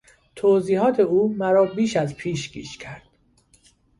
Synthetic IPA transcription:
t̪ʰoːziːɦɒːt̪ʰeuːmæɾɒːbiːʃæzpʰiːʃɡḭːʃcʰæɾd̪̥

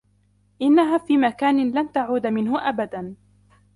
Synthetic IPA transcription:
ʔɪnːaɦaːfiːmakaːnɪnlant̪aʕuːd̪amɪnɦʊʔabad̪an

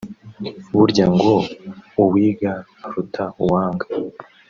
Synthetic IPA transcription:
βuɾɟaŋɡouβwiːɡaː | ɾutʰauwaːŋɡḁ

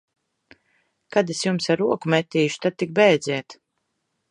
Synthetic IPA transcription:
kad̪esjumsaɾuɔkumɛt̪ʲːiːʃu̥t̪ad̪̚t̪ik̚bɛjd̪zʲiɛt̪

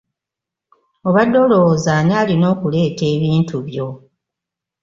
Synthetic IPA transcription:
oβadːo̞lo̞zaːɲaːlino̞ːkule̞ːte̞ːβiːntuβjo̞

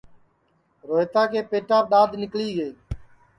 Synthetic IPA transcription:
ɾoːɦet̪aːkeːpeːʈaːp̚ɗaːd̪ʱnɪkliːɡeː

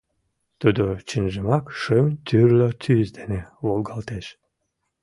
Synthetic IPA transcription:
t̪ud̪ot͡ɕinʒəmɑkʃɨmt̪yrlət̪ʰyzd̪eneβolɡɑlt̪eʃ

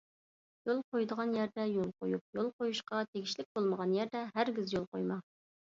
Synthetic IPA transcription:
jolˠqojd̪əʁɑnjæɾd̪ɛjolˠqʰojup̚jolˠqojuʃqɑt̪ʰeɡʲiʃlɪk̚ʲbolˠməʁɑnjæɾd̪ɛɦæɾɡʲɪzjolˠqojmɑ

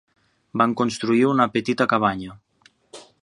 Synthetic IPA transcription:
baŋkonst̪ɾuiunapet̪it̪akaβ̞aɲa

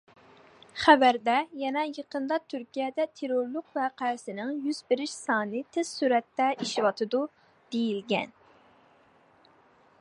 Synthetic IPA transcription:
χævæɾd̪ɛjɛnɛjəqənd̪ɑt̪ʰyɾkʲijɛd̪ɛt̪ʰeɾoɾlˠʊqvɛqʰæɾsɪnɪŋjyzbɪɾɪʃsɑːnɨt̪ʰɪz̥syɾɛt̪ːɛʔiʃiwɑt̪ʰɨd̪u | d̪̥ejilɡʲɛ̰n

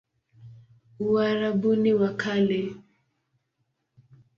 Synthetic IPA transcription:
uaɾaɓuniwakʰalɛ

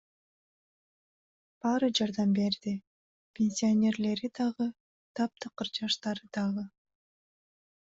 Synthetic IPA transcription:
b̥ɑɾɯd͡ʒɑɾd̪ɑmbe̞ɾd̪i | pʲenʲsʲionʲe̞rle̞ɾid̪ɑʁɯ | t̪ʰɑp̚t̪ɯqːɯɾd͡ʒɑʃt̪ɑɾɯd̪̥ɑʁɯ

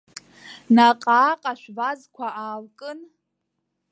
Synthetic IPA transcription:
naqʼaːqʼaʃʷᶣvazkʷʰaʔaːlkʼɨn

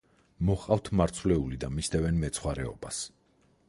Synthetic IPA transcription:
mɔχqʼaft̪ʰmaɾt̪sʰvlɛulid̪amisd̪ɛvɛnmɛt̪sʰχwaɾɛɔ̰bas

